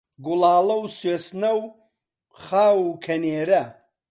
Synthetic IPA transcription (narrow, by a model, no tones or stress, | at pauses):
ɡʊlaːlɐwsweːsnɐw | χaːwukʰɐneːɾɐ